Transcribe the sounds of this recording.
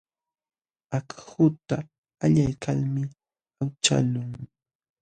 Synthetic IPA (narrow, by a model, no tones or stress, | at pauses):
akhʊt̪a | aʎajkʰalmɪ | awt͡ʃa̰lʊŋ